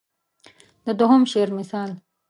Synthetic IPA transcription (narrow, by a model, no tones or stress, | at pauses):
d̪̥əd̪oɦʊmʃeɾmɪsɑːl